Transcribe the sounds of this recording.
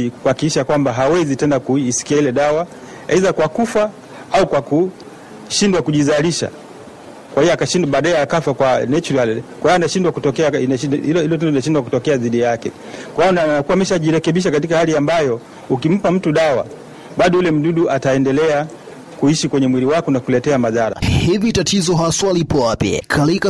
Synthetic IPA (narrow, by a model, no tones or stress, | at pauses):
ikuhakikiʃakwambaɦawɛzitɛnakuisi̥kiailɛɗawa | ɛizakwakufa | aukwaku | ʃindwakuʄizaliʃa̰ | kwahiɔakaʃindaɓaːɗaɛakafakwanɛt͡ʃuɾalikwaijɔnaʃindwakutɔkɛainaililɔtɛndɔlinaʃindwakutɔkɛaðiɗijakɛ | kwaijɔnanakuamɛʃaʄiɾɛkɛɓiʃ̬akat̬ikahaliambajɔ | ukim̩pam̩tuɗawa̰ | ɓaɗɔulɛm̩ɗuɗuʔataɛndɛlɛa | kuiʃikwɛɲɛmwiliwakɔnakulɛtɛamaðaɾa̰hivitatʰizɔɦaswalipʰɔwapjɛ̰kʰalika